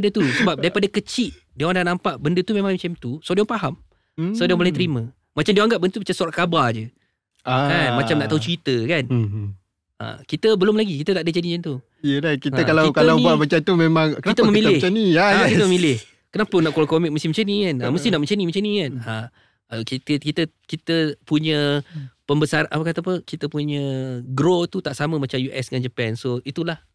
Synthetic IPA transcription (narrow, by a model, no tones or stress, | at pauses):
ədət̪usəbap̚daɾipadakət͡ʃiʔ̪̚ | diaandahnãmpaʔbəndət̪umẽmãŋt͡ʃamt̪usawdiaŋpaɦam | sadiãmlait̪əɾimã | mat͡ʃamdiãaŋɡap̚bəndət̪ubat͡ʃamsɔɾaʔkabard͡ʒə | aanmatt͡ʃamnaʔt̪aut͡ʃwit̪əkan | ə̰kit̪əbəlʊmlaɡikit̪ət̪aʔdət͡ʃanit͡ʃant̪u | jəlakit̪əkalakalawbuaʔbət͡ʃant̪umemãŋkənit̪əməmmilɪt͡ʃaniaakiəmə̃milɪh | kənapənaʔkolakomɪk̚məst̪ɪhmət͡ʃanĩkanaməst̪ɪhnaʔmət͡ʃanimat͡ʃanĩkana | kit̪əkit̪ə | kit̪əpuɲə̃pəmbəsarapakat̪apəkit̪əpuɲə̃ɡɾot̪ut̪aʔsamə̃mat͡ʃamjuʔɛsdŋand͡ʒəpɛnsoit̪ulah